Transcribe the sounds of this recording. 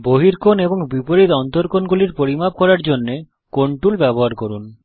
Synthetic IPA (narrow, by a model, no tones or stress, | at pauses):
boɦiɾkonebɔŋbipoɾit̪ɔnt̪oɾkonɡuliɾpoɾimap̚kɔɾaɾd͡ʒonːe | koɳʈulbɛbɔɦaɾkoɾun